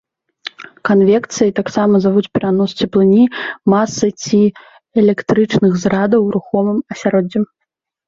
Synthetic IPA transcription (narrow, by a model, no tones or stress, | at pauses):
kanvʲɛkt̪sɨjɐt̪aksamɐzavut͡sʲpʲɛɾanɔst͡sʲɛplˠɨnʲimasːɨt͡sʲi | ɛlʲɛkt̪ɾɨt͡ʂnɨxzɾad̪ɐwɾuxɔmɨmɐsʲaɾɔd͡zʲɛ